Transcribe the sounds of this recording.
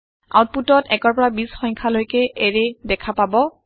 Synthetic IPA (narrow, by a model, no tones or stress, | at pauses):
a̰wt̚putɔtɛkɔɹpɔɹabisxɔŋkʰalojkɛʔeɹɛdɛkʰapabɔ